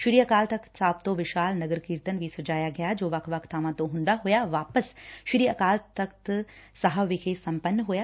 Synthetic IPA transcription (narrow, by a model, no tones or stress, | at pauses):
ʃʊɾiːɐkaːlt̪ɐksaːb̚t̪oʋɪʃaːlnɐɡəɾkiːɾt̪ənɪʋisʊd͡ʑaːjaɡɐjad͡ʑoːʋɐkʰʋɐkʰt̪ʰaːʋãt̪oɦũːnd̪aɦujaʋaːpəsʃʊɾiːɐkaːlt̪ɐkt̪sɐɦəʋikʰesɐ̃mpənːɦuja